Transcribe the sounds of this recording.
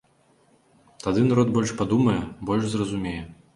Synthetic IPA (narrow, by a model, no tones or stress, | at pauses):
t̪ad̪ɨnaɾɔd̪bɔlʲʂpad̪umɐjɛbɔlʲʂzrɐzumʲejɛ